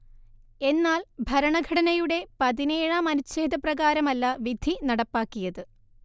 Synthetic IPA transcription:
e̞nːaːlbʱɐɾɐɳɐɡʱɐɽɐnɐjuɽe̞pɐðine̞ːɻamɐnut͡ɕe̞ːd̪ʱɐprɐɣaːɾɐmɐlːɐʋid̪ʱːinɐɽɐpːaːkːijɐðɨ

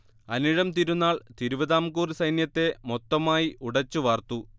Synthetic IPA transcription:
ɐniɻɐmt̪iɾunːaːɭt̪iɾuʋɐðaːmkuːrisɐjnjɐt̪ːe̞mo̞t̪ːɐmaːjiʔuɽɐt͡ɕːuʋɐːrt̪u

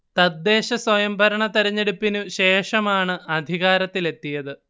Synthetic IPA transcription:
t̪ɐd̪ːe̞ːɕɐswɐjɐmbʱɐɾɐɳɐt̪ɐɾɐɲːeɽupːinuɕe̞ːʂɐmaːɳɨʔɐd̪ʱiɣaːɾɐt̪ːile̞t̪ːijɐðɨ

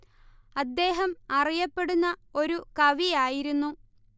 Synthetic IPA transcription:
ɐd̪ːe̞ːɦɐmɐrijɐpːe̞ɽunːɐo̞ɾukɐʋijaːjiɾunːu

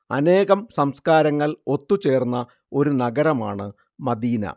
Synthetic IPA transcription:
ɐ̰ne̞ːɣɐmsɐmskaːɾɐŋːɐɭo̞t̪ːut͡ɕe̞ːrnːɐ | o̞ɾunɐɡɐɾɐmaːɳɨ | mɐd̪iːnɐ̰

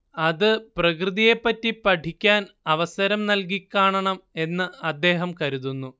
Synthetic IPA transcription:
ɐðɨprɐkrɨðijepːɐtːipɐʈʰikʲːaːnɐʋɐsɐɾɐmnɐlk̬ikːaːɳɐɳɐme̞nːɨɐd̪ːe̞ːɦɐmkɐɾuðunːu

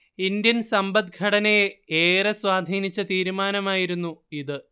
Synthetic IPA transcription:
ind̪jɐnsɐmbɐd̪̚ɡʱɐɽɐnɐjeeːrɐswaːd̪ʱiːnit͡ɕːɐt̪iːɾumaːnɐmaːjiɾunːuiðɨ

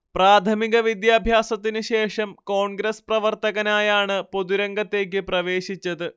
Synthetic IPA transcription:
praːt̪ʰɐmiɣɐʋid̪jaːbʱjaːsɐt̪ːinɨɕe̞ːʂɐmko̞ːɳɡɾɐsprɐʋɐrt̪ɐɣɐnaːjaːɳɨpoðuɾɐŋɡɐt̪ːe̞ːk̬ʲːɨprɐʋe̞ːɕit͡ɕːɐðɨ

